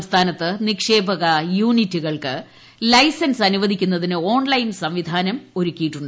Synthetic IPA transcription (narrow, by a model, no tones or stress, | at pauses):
st̪ʰaːnɐt̪ːɨnikʂe̞ːbɐɣɐjuːnitːuɣɐɭkɨ | lɐjsɐnsɐnuʋɐd̪ʱikʲːunːɐðinɨo̞ːɳlɐjnsɐmʋid̪ʱaːnɐmo̞ɾukʲːijiʈːuɳɖɨ